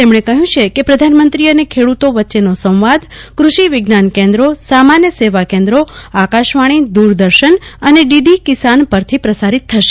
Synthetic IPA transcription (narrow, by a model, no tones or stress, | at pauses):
t̪emɳ̃ekəɦjũt͡ʃʰekepɾəd̪ʱanmənt̪ɾiənekʰeɽut̪oʋətːʃenosə̃w̃ʋad̪kɾuʃiʋɪɡnankẽnd̪ɾosamanjəseʋakẽnd̪ɾoakaʃʋaɽ̃id̪uɾd̪əɾʃənəneɖiɖikisanpəɾt̪ʰipɾəsaɾit̪ʰːəʃe̥